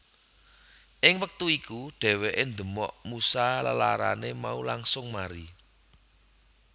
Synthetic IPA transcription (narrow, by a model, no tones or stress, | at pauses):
ʔɪŋwək̚t̪uikuɖ̥ɛ̤weʔend̪ə̤mɔʔmusalala̰ɾa̰nemaulaŋsʊŋmaɾi